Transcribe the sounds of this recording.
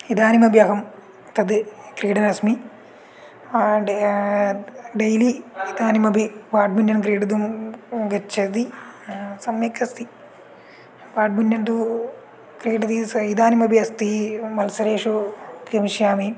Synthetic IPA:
id̪aːnimɐbjɐɦɐm | t̪ɐd̪ɨkɾiːɖɐnɐsmi | ɖejliːd̪aːnimɐbʱibaːɖ̚bunjɐnkɾiːɖɐd̪umɡɐt͡ʃʰːɐd̪i | sɐmjekɐst̪i | ʋaːɖ̚bunjɐnʈ̪u | kɾiːɖɐd̪isid̪aːnimɐbʱiɐst̪imɐlsɐɾeːʂukɾimiʃjaːmi

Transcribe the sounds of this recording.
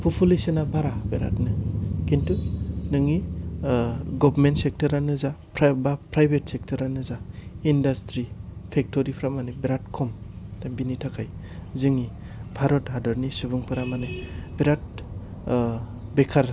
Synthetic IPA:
pʰupʰulisenabaɾabeɾa̰tnɯkintunɯŋi | ɡɔbɾmentsek̚tɔɾanɯzapɾbapɾajbetsek̚tʰɔɾanɯzaindastɾipʰek̚toɾipʰɾamanebeɾat̚kʰɔmtambinitʰakʰaj | zɯŋi | bʱaɾɔtɦadɔɾnisubɯŋpʰɯɾamanɯbeɾat̚ | bekʰaɾ

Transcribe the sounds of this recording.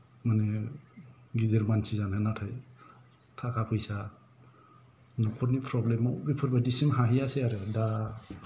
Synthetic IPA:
manɛ | ɡizeɾmansʰizananatʰaj | tʰakʰapʰɯjsa | nɔkʰɔɾnipʰɾɔblemɔbipʰɔɾbadisimɦaɦijaseaɾɯda

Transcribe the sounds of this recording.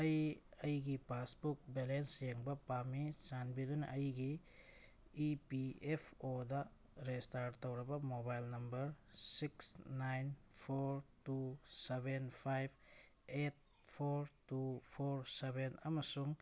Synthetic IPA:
ɐjɐjɡipasbuk̚belensjeŋbɐpamit͡ʃanbidunaʔɐjɡiː | piepʰoda | ɾestaɾtowɾɐbɐmobajlnɐmbɐɾsiksnajnpʰoɾtusebenpʰajb̚ʰ | et̚ | pʰoɾtupʰoɾsebenɐmɐsuŋ

